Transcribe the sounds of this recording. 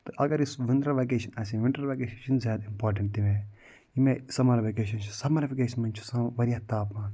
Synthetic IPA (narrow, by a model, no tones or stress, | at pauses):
t̪ɨʔɐɡɐɾisʋɪnd̪ɾɐʋek̬eːʃɐnɐsĩʋɪɳʈɐɾʋeːkeːʃɐʃɐnzjaːd̪aimpaːɾʈ̬ɐ̃ɳʈt̪iʋẽ | imẽsɐmaɾɐʋekeːʃ̬ɐnt͡ʃʰu̥sɐmɐɾɐʋekeːʃɐnmɐnt͡ʃʰu̥sãʋɐɾijaːt̪aːpmaːn